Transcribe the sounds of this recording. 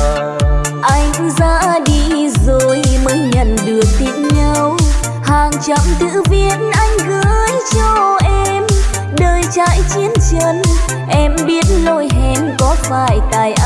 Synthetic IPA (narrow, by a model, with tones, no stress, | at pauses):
ʔa˧jŋza̰ː˧˥ɗi˧zo˨˩jməː˨˦jɲə̰˧˨nɗɨ˨˩ək̚t̪i˧˩nɲə˧w | haː˨˩ŋt͡ɕə˧˩mt̪ɨ̰˧˥vi˧ətnʔa˧jŋ̟ɣəː˨˦jt͡ɕɔ˧ʔɛ˧m | ɗəː˨˩jt͡ɕa̰ː˧˨jt͡ɕi˨˦ənt͡ɕə˧˦n | ʔɛ˧mɓi˦˥ət̚lo˧jɦɛ˧mkɔ˨˦faː˧˩jt̪aː˨˩jʔa˧